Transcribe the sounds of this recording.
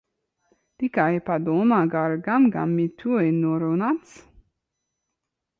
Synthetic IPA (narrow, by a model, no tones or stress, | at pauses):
d̪̥ikaepad̪omaɡaɾɡamɡa̰mːit̪ʰuenoɾonat̪t͡s